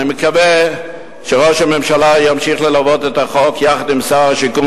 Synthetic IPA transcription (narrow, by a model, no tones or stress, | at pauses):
niməkave | ʃeʁoʃhamemʃalajamʃiχlelavot̪et̪aχokjaχad̪imsaaʃiku